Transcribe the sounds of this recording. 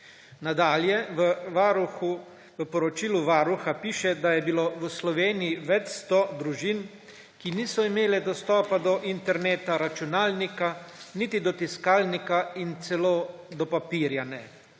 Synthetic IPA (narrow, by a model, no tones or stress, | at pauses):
nad̪aːljɛʋəʋaɾuxu | ʋəpɔɾɔt͡ʃiːluʋaːɾuxapiːʃɛd̪ajɛbiloːʋəslɔʋeːnijiʋɛt͡ʃst̪ɔd̪ɾuʒin | kiniːsɔimeːlɛd̪ɔst̪ɔːpad̪ɔʔint̪ɛɾneːt̪aɾat͡ʃunaːlnikanit̪id̪ɔt̪iskaːlnikaint̪sɛloːd̪ɔpapiːɾjanɛ